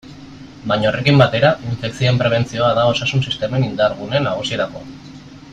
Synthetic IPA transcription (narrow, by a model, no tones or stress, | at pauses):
baɲaore̞kimbat̪e̞ɾaiɱfe̞kt͡sioempɾe̞β̞e̞nt͡sio̞aðao̞sasunsist̪e̞me̞nind̪aɾɣunenaɣ̞usieɾako̞̰